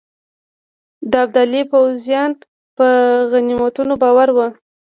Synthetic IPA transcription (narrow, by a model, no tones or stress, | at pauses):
d̪əab̚d̪alipawzjɑn | pəɣanimat̪unobɑwaɾwə